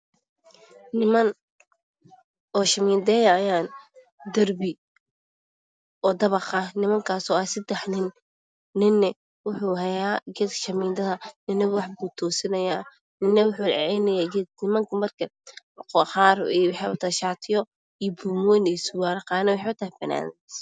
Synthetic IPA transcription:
nɪmɐn | ɔːʃɐmiːnd̪ɛːjajaːn | d̪ɐrbɪ | ɔːd̪ɐβɐqɐnɪmɐŋkʰaːsɔːaːsɐd̪ɛħnɪnː | ɪnːɛ | wʊħuːɦɐjaːɡɛd̪ʃɐmɪːnd̪ɐðɐnɪnɛwɑħbuːt̪ʰɔːsɪnɐjaː | nɪnːɛwʊħuːlʕɛʕɛjnɐjaːɡɛd̪nɪmɐŋkʰɐmɐrkʰɐ | qɔχɑːriːwɑħɛʊ̰t̪ʰɐʃaːt̪ʰɪjɔ | ijɔbuːmɔjnɛsʊwaːnɐqɑːnɛwʊħɛʊt̪ʰɐɦɛfɐna̰ːnds

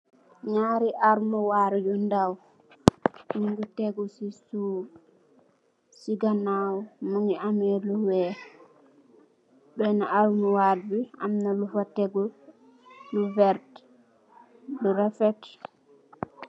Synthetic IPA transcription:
ɲaɾiʔaɾmɔwaɾd͡ʒundaw | muŋɡutɛɡɔsisu | siɡanawmuŋiamɛluwɛ | ɗɔnaʔalmɔwaɾbia̰mnalufatɛɡɔ | luvɛɾt | dɔɾafɛt

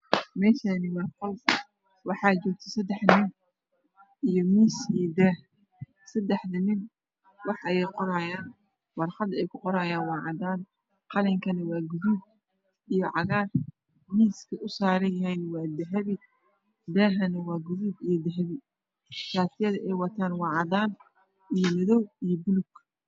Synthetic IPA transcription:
mɛːʃanɪwɑːqɔl | wɑħɑːt͡ʃɔːɡ̚t̪ʰɐ̥sɐd̪ɛħnɪ | ʔijɔmiːsid̪ɛːh | sɐd̪ɛħd̪ɐmɪn | wɑħʔɐjɛjqɔɾaːjaːn | wɑrχɑd̪ɛjkʰʊqɔɾaːjaːnwɑːʕɑd̪aːn | qɑlɛŋkʰɐnɐwɑːɡʊðuːb̚ | ijɔʕɑɣaːr | miːskʰɐʔʊsaːɾɐjɐɦɛjnwɑːd̪ɐɦɐβɪ | d̪ɛːɦɐnɐwɑːɡʊðuːbijɔd̪ɐɦɐβɪ | saːt̪ʰɪjɐðɐɛjwɑt̪ʰaːnwɑːʕɑðaːn | ʔijɔmɐðɔwijɔbʊlʊɡ̥

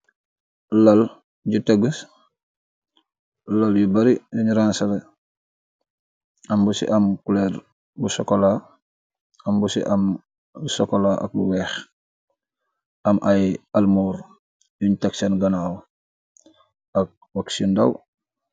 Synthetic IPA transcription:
lɐl | ɟuteɡəs | laljubaɾijuɲuɾansɐle | ɐmbusḭʔɐmkuleɾ | busokola | ɐmbusḭʔam | usokolaʔɐ̰k̚buwɛːx | ɐmʔajalmuːɾ | juɲtaksɐnɡɐnaw | ɐk̚waksindaw

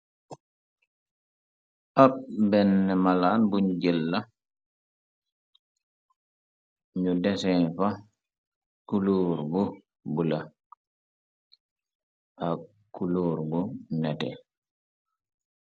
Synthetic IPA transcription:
ʔaɓ̚bɛnːɛmalaːnbuɲɟɛlːa | ɲudɛsɛfa | kuloːɾbu | bula | ʔa | kːuloːɾbunɛtɛ̰

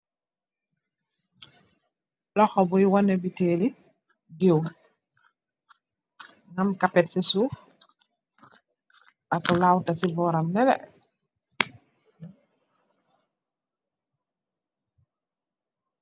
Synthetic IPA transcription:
lɔxɔbujiwanebiteːli | diw | ŋamkapɛtsisuːf | akulawtasibɔːɾamnɛlɛ̰

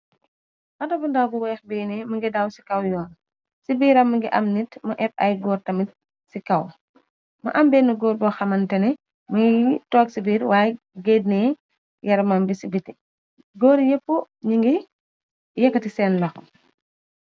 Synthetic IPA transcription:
xɐtɐbɐndawbuwɛːxbɛːnɛmɐŋɡidawsi̥kɐwjɔːn | sibiːɾɐmːɐŋɡiʔɐmnitmɐʔɛp̚ɐ̰jɡɔːrtɐmit̚ | sikɐw | mɐ̰ʔɐmbɛnːɐɡɔːɾbɔxɐmɐntɐnɛ | mɐŋɡitɔːk̚sibiːɾwaːj | ɡed̚nɛ | jɐɾɐmɐmbisibiti | ɡɔːɾjepːu | ɲiŋɡi | jɐkːɐtisɛːnlɐxɔ

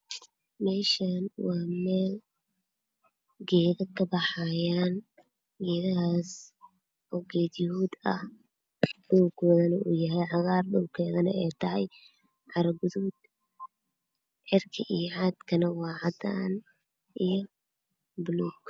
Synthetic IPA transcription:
mɛːʃanwɑːmɛːl | ɡɛːðɐkʰɐbɑħɑjaːn | ɡɛːðɐɦaːs | ɔːɡɛːd̪jɪhuːd̪ɐ̰h | dɔwɡʰɔːðɐnɐʔṵːjɐɦɛjʕɑɣɑːrɗɔwkʰɛːðɐnɐ̰ɛːt̪ʰɐhɐj | ʕɑɾɐɡʊðud̪ | ʕɪrkʰɐʔijʕɑːd̪kʰɐnɐwɑːʕɑd̪a̰ːn | ʔijɔ | bluːɡ

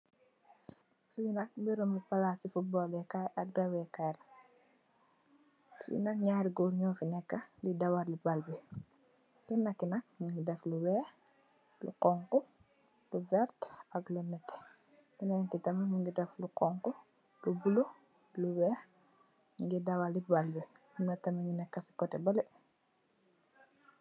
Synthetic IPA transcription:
suɲinɐk̚mbiɾumbipalaːsifubɔːlɛkaak̚dawɛkajɾ | kḭnɐkɲaːɾiɡoːɾɲɔfinɛkːɐlidɐwaɾlibalbi | kinːɐkːinɐk̚muŋɡidɐfluwɛ | lṵkɔŋkɔ | luvɛɾtaɡlunɛtːɛ̥ | inantitɐmɐmuŋɡidɐflukɔŋkɔ | lubulo | luwɛɾ | ŋɡidɐwalibalbɛ | imnatɐmaɲinɛkːasi̥kɔtɛbɐlɛ

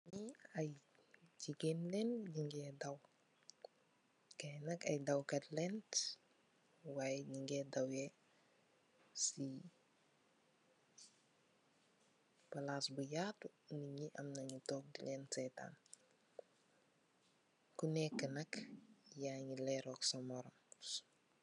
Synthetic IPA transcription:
ɲiaj | ɟikenlɛnɟiŋɡɛdaw | kɐjnɐkɐ̰jdɐwkɐtlɛnt | waːjɟiŋɡɛdawɛ | si | palaːsbujaːtuniɲiʔɐmnɐɲitɔːk̚dilɛːnsɛta̰ːn | kunɛkːənɐkjaɲilɛɾɔːksɐmɔɾɔm

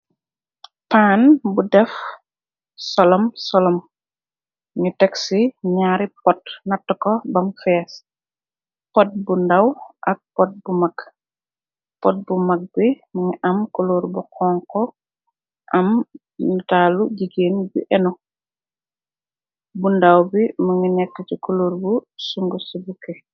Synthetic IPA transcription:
panbudɛf | sɔlɔmsɔlɔm | ɲitɛksiɲaːɾipɔtnɐtːɔkɔbɐmfɛs | pɔt̚bundawʔɐk̚pɔt̚bumak | pɔt̚bumɐk̚biməŋiʔɐmkuluɾbuqʰɔŋkɔ | ʔɐm | nitaːluɟiɡeːnbḭʔɛnɔ | bundawbimuŋinɛkːɐcukuluɾbusuŋɡusibukɛ

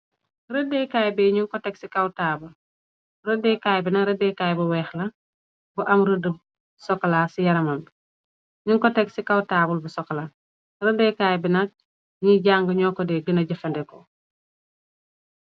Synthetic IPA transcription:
ɾədɛːkaːjbɛɲuŋkɔtɛksikɐwtaːbul | rədɛkaːjbinɐɾədɛkaːjbuwɛːxlɐ | buʔɐmɾədul | sɔkːɐlaːsijɐɾɐmɐmbi | ɲuŋkɔtɛksikawtaːbulbusɔkːɐla | rədɛkajbinɐk̚ | ɲiɟaŋɡəɲɔːkɔdɛɡənɐɟɐfɐndɛkɔ

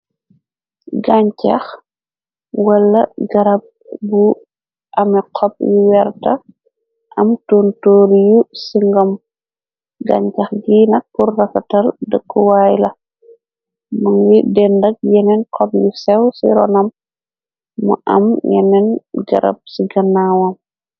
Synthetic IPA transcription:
ɡaɲcɐ̰x | wɐlːɐɡɐɾɐb̚bu | ʔɐmɛqʰɔp̚juwɛrtɐ | ʔɐmtoːntoːɾjusiŋɡɔm | ɡa̰ɲcɐxɡinɐk̚purːɐfɐtɐldəɡːuwaːjlɐ | mɐŋɡidɛndɐk̚jɛnɛnkʰɔp̚jusɛwsḭɾɔ̰nɐm | ṵʔɐ̰mjɛ̰nɛnɡɐ̰ɾɐ̰b̚siɡɐnːaːwɐm

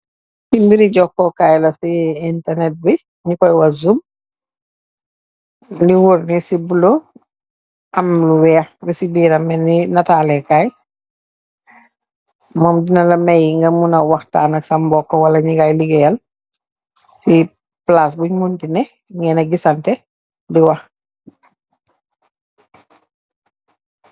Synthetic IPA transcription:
timbiɾiɟɔkːɔkaːjlɐsiintɛrnɛt̚bi | ɲikɔjwɐzum | liwuɾnisibulo | ʔɐmluwɛːxbisibiːɾɐmɛninɐtaːlɛkaːj | mɔːmdinɐlɐmɛjiŋɡɐmunɐwɐxta̰ːnɐksɐmbɔkːɔwɐlɐɲiɡajliɡɛjɐl | si | plas̬buɲmundinɛ | ŋɡɛnɐɡisɐntɛ | diwɐx

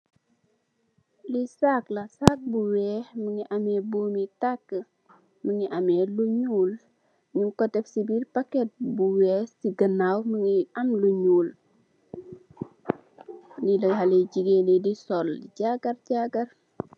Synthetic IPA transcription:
lisaklɐsak̚buwɛːməŋiʔamɛboːmitakːə | məŋiʔamɛːluɲuːl | ɲuŋkɔtɛfsibirpakɛt̚buwɛːsiɡənawməŋiɐmluɲuːl | nilɐhaleɟiɡenidisɔlɟaɡɐrɟaɡɐr

